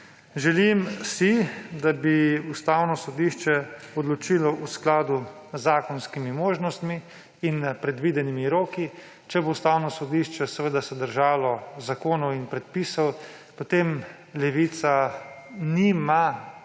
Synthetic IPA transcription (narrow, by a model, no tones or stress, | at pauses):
ʒɛlimsid̪abiust̪aːwnɔsɔd̪iʃt͡ʃɛɔd̪lɔt͡ʃilɔʔusklaːd̪uzːaːkɔnskimimoːʒnɔst̪miː | npɾɛd̪ʋiːd̪ɛnimiɾoːki | t͡ʃɛboust̪aːwnɔsɔd̪iʃt͡ʃɛsɛʋəd̪asɛd̪əɾʒaːlɔzakoːnɔwinpɾɛt̪̚piːsɔw | pot̪eːm | lɛʋiːt̪sa | nima